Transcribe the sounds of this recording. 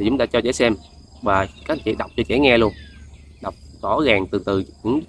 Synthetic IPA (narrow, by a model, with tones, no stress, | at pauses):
t̪ʰi˨˩t͡ɕʊ˨˦ŋ͡mt̪aː˧t͡ɕɔ˧t͡ɕɛ̰˧˦sɛ˧m | vaː˨˩kaː˨˥t͡ɕḭ˧˨ɗa˨˩wk͡p̚t͡ɕɔ˧t͡ɕɛ̰˧˩˦ŋɛ˧lu˧ən | ɗwk͡p̚t̪ɔ˧˥˦ɣaː˨˩ŋt̪ɨ˨˩t̪ɨ˨˩ɲɨ̰˧˥ŋ